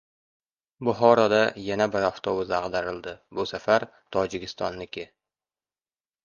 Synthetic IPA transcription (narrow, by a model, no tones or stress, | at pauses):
bʊɦɒɾɒd̪ajanabɪɾɒft̪ʰobʊzaʁd̪aɾɪld̪ɪbʊsafaɾ | t̪ʰɒd͡ʒɪkʲɪ̥st̪ɒnːɪkʲɪ